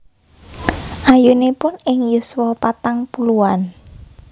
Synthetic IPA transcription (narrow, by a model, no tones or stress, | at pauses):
ʔajunepʊnɪŋjuswɔpat̪aŋpuluan